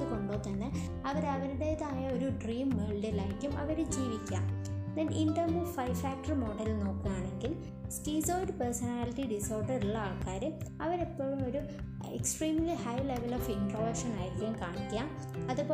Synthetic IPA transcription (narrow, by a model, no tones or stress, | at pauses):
ɨkoɳɖoːt̪ːɐnːɨ | ɐʋɐɾɐʋɐɾuɽe̞ðaːjɐoɾuɖriːmːeɭɖɐlajkʲːumɐʋɐɾɨd͡ʑiːʋikʲːa̰ːmd̪ɐnʔinɖɐrmuːfɐjfaːk̚ʈɐrmo̞ːɖɐlno̞ːkːumaːɳe̞ŋɡil | stiːsoːɖɨpɐrsɐnaːliʈːiɖiso̞ːrɖɐruɭːɐaːɭkːaːɾɨɐʋɐɾepːo̞ːɻumo̞ɾu | ḛksʈriːmlihɐjle̞ʋɐloːfinproːʋɐkʂɐnaːjiɾikʲːjumkaːɳikʲːaːm | ɐðupoː